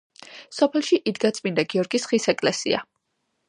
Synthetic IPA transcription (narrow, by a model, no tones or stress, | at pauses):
sɔpʰɛlˠʃiʔid̪ɡat̪sʼmind̪aɡiɔɾɡisχisɛkʼlɛsḭa̰